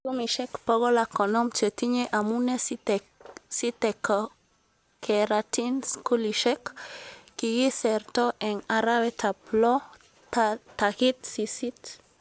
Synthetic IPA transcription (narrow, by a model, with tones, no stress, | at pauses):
ku˦mi˨ʃɛ˦kpɔ˦ɣɔ˦lakɔ˨nɔ˦mt͡ʃe˨t̪i˦ɲeʔa˨mune˦s | si˦t̪ɛkɔ | kʰɛɾati˦nsku˦liʃɛ˦kː | i˨ɡi˦sɛ˨rt̪ɔ˦ʔɛ˨ŋa˨ɾa˦wɛ˦tʰa˨plɔ˦ | tat̪a˨ki˦t̪si˨si˦t